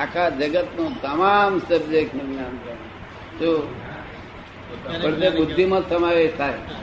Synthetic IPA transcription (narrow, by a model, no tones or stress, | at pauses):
akʰad͡ʒəɡət̪nũt̪əmamsəbd͡ʒeknuɡnãnkən | d͡ʒo | pəɽt̪ebʊd̪ʱːimãsəmaʋeʃt̪ʰaj